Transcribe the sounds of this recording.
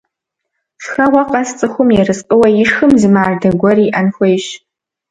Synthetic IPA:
ʂxɐwaqʼast͡sʼɨxʷʊmjerɨsqʼɨwajɪʂxɨmzɨmaːrdɐɡʷɔriʔanxʷejʃ

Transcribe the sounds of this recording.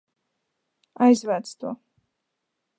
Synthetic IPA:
ajzvat̪sʰt̪ʰɔ̰

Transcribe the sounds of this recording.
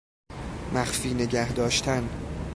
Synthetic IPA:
mæxfiːne̞ɟæhd̪ɒːʃt̪ʰæn

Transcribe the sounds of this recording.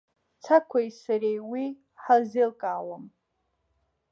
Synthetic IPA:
t͡sʰakʷʰajsaɾejwi | ħazelkʼaːwam

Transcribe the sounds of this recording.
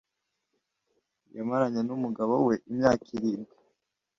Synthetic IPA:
jamaɾaɲenumuɡaβowe̞ʔimɲaːkʰiɾiːmɡi

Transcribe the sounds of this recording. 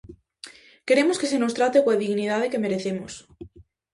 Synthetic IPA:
keɾemoskesenost̪ɾat̪ekwaðiɣnið̞að̞ekemeɾeθemos

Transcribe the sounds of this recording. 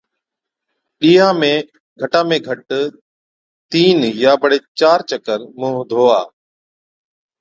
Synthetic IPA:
ɗiːãːmẽː | ɡʱəʈãːmẽːɡʱəʈ | t̪iːnjaːbəɽeːt͡ʃaːɾt͡ʃəkəɾmũːɦd̪ʱoːaː

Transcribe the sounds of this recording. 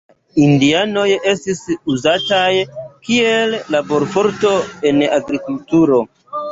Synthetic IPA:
indiano̞je̞stisuzatajkie̞lːabo̞ɾfo̞ɾto̞e̞naɡɾikultuɾo̞

